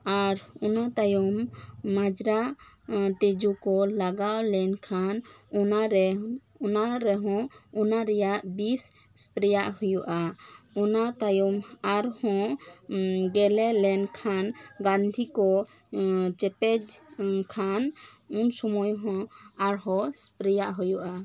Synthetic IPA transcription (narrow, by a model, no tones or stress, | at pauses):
aɾɔnat̪ajɔmːad͡ʒɾa | t̪ed͡ʒukɔlaɡawlɛnkʰanɔnaɾɛ | ɔnaɾɛɦɔ̃ɔnaɾɛjaʔbis | spɾɛjaʔhujuʔaɔnat̪ajɔmaɾhɔ̃ʔ | ɡɛlɛlɛnkʰanɡãnd̪ʱikɔ | t͡ʃɛpɛd͡ʒkʰanunsɔmɔjɦɔ̃aɾɦɔspɾɛjaʔɦujuʔa